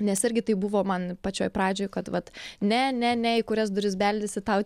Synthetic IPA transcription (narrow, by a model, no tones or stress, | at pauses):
nʲɛsɪɾʲɡʲɪt̪ɐɪbʊʋoːmɐnpɐt͡ʃʲoːjpɾɑːd͡ʒʲoːjkɐt̪ʋɐt̪nʲɛnʲɛnʲɛɪkʊɾʲɛs̬d̪ʊɾʲɪs̬bʲɛlʲdʲɪsʲɪt̪ɐʊ